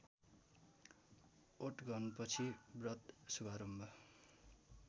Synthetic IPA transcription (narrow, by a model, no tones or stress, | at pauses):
oʈɡʱʌnpʌt͡sʰibrʌt̪subaɾʌmbʱʌ